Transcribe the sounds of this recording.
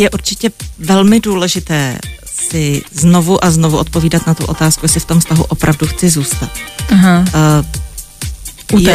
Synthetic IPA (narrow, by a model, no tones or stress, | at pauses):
jɛʔuɾt͡ʃɪcɛvɛlmɪduːlɛʒɪt̪ɛː | sɪzno̞vuʔazno̞vuʔo̞t̪po̞viːdat̪nat̪uʔo̞t̪aːskujɛsɪft̪o̞mfst̪aɦuʔo̞pɾʔavduxt͡sɪzuːst̪at̪̚ɦa | uj